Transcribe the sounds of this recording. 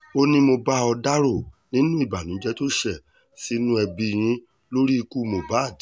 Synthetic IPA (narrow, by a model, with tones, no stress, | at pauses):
o˦nĩ˧mo˧ba˦ɔ˧da˦ɾo˦˨nĩ˦nũ˦i˦˨ba˨nũ˨˦d͡ʒɛ˦to˦ʃɛ˦˨ | si˦nũ˦ɛ˧bi˧ɾ̃ĩ˨˦ | lo˦ɾi˦i˧ku˦˨mo˨˧ba˦a˦˨d